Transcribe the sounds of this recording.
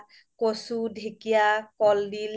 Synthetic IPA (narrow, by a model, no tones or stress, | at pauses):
kosudʱekijakɔldil